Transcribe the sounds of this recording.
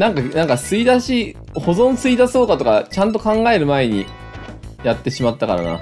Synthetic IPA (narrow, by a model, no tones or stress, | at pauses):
nãŋkanãŋkasɨid̪aɕi | ho̞zõ̞ɰ̃sɨid̪aso̞ːkat̪o̞kat͡ɕãnt̪̬o̞kãŋɡae̞ɾɯ̟mae̞ɲ̟ḭ | jat̪ːe̞ɕimat̪ːakaɾa̰na̰